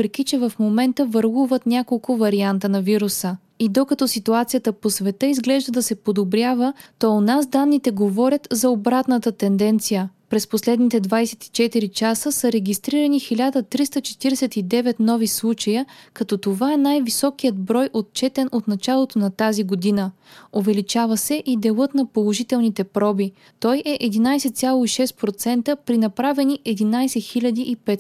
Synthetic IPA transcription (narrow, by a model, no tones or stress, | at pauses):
pɾɛkit͡ʃɛvɐfmomɛnt̪əvəɾlˠuvət̪nʲakolˠkʊvɐɾiant̪ənɐviɾusə | id̪okɐt̪ɔsit̪uat̪sijət̪əposvɛt̪ɤizɡlɛʒd̪əd̪ɐsɛpod̪obɾʲjavət̪ɔonasd̪anːit̪ɛɡovɔɾʲət̪zɐobɾat̪nət̪ət̪ɛnd̪ɛnt̪sijəpɾɛsposlɛd̪nit̪ɛd̪vajsɛ̥t̪i̥t͡ʃɛt̪iɾit͡ʃasəsəɾɛɡʲist̪ɾiɾənixilʲad̪ət̪ɾist̪ət͡ʃɛ̥t̪iɾɛsɛt̪id̪ɛvɛt̪nɔvislˠut͡ʃəjəkɐt̪ɔt̪ovaɛnajvisɔkijət̪bɾɔjʔot̪t͡ʃɛt̪ɛnot̪nɐt͡ʃalˠot̪onɐt̪aziɡod̪inə | ovɛlit͡ʃavɐsɛʔid̪ɛlˠɤt̪nɐpolˠoʒit̪ɛlˠnit̪ɛpɾɔbi | t̪ɔjɛʔɛd̪inajsɛt̪sʲjalˠoiʃɛst̪̚pɾot̪sɛnt̪əpɾinɐpɾavɛniʔɛd̪inajsɛxilʲɐd̪iʔipɛt̪